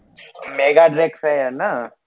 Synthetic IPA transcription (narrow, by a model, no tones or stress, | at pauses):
meːɡaɖɾeksɦɛjana